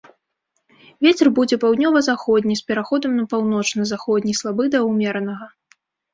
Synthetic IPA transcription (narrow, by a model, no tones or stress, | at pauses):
vʲet͡sʲɛrbud͡zʲɛpawd̪nʲɔvɐzaxɔd̪ʲnʲispʲɛɾaxɔd̪ɐmnɐpawnɔt͡ʂnɐzaxɔd̪ʲnʲislˠabɨd̪ɐwmʲɛɾnɐɣɐ